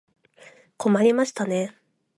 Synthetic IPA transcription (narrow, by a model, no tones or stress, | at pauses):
ko̞maɾʲimaɕi̥t̪ane̞